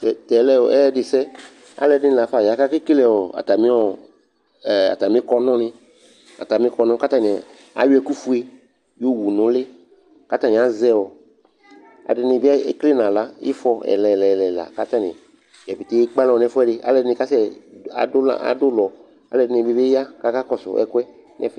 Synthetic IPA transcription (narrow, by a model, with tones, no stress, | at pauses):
ɛ˨tɛ˨˦lɛ˦wɔ̰˨ɛ˦dɪ˨sɛ˦ | a̰˦lɛ˨dɪ̃˦˨la˨fa˨ja˨˦ka˦ke˦ki˦lɛ˦˨wɔ˨a̰˨t̪a˨mĩ˦ɔ˦˨ | a̰˨ta˨mĩ˦kɔ˦nɔ̃˦nɪ̃˦ | a̰˨t̪a˨mĩ˦kɔ˧˦nɔ̃˦ka˦t̪a˦nĩ˨ | a̰˨˦ju˦ɛ˨ku˦fu˦e˦ | jo˦wu˨nʊ̃˨le˦ | ka˦t̪a˦nĩ˨a˦zɛ˦wɔ˨ | a̰˨ɪ˧nɪ̃˧bi˦kle˦nã˨la˦ḭ˦fɔ˧ɛ̰˨lɛ˨lɛ˨lɛ˨la̰˨ka˦t̪a˦nɪ̰̃˨ | jɛ˨bi˨te˦e˦k͡pa˦lɔ˨nɛ˦fɔ˦ɛ˦dɪ˧˦a̰˦lɛ˨dɪ˦nɪ̃˧ka˦sɛ˦a̰˨da˦a̰˨dʊ˦lɔ˨ | a̰˦lɛ˨dɪ˦nɪ̃˨bi˦be˦ja˦ka˦ka˦kɔ˨sʊ̰˨ʔɛ̰˨kʊ˦ɛ˦ | nɛ̰˨f